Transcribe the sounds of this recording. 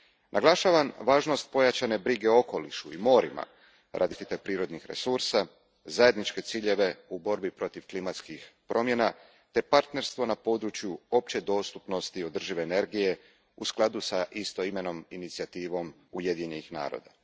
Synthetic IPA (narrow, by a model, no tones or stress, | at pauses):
nʔaɡlˠaʃaʋanʋaːʒno̞st̪̚po̞jat͡ʃane̞bɾiɡe̞o̞ko̞liʃuimo̞ːɾima̰ | ɾʔa̰d̪iʃt̪it̪epɾiːɾo̞d̪nixɾe̞̰suɾsa | zaje̞d̪nit͡ʃke̞t̪siːʎe̞ʋe̞ubo̞ɾbipɾo̞t̪iʋklimat̪skixpɾʔo̞mje̞na | t̪e̞paɾt̪ne̞ɾst̪ʋo̞napo̞ːd̪ɾut͡ʃjuo̞p̚t͡ɕed̪o̞ːst̪upno̞st̪io̞d̪r̩ʒiʋeːne̞ɾɡije̞ | usklˠad̪usaʔist̪o̞ime̞no̞minit̪siat̪iːʋo̞m | uje̞d̪iɲenixna̰ːɾo̰d̪a